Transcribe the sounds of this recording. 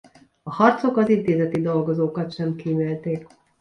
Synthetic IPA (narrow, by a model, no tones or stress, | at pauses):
ɒhɒrt̪so̞kɒzint̪eːzɛt̪id̪o̞lɡo̞zoːkɒt̪ʃɛmkiːmelt̪eːk